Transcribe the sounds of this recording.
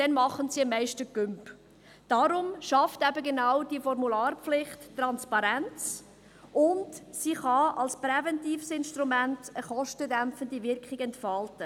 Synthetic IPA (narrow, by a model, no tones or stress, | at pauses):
d̥ɛnmɑχənsiəmːɛɪʃtəkʏmp | d̥ɑɾʊmʃɑftɛbəɡenawd̥iəfɔɾmulɑːrpflɪχtːrɑnspɑɾɛnt͡s | ʊndsiχɑɑlsprɛvɛntiːfsɪnʃtɾumæntəχɔʃtədæmpfəndivɪɾkχɪɡɛntfɑltə